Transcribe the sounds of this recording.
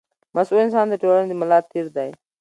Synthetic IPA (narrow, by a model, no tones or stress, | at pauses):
məsuːlɪnsãːnd̪eʈoːɽəñd̪iːməlaːt̪̚ʰːiːɾd̪aːeː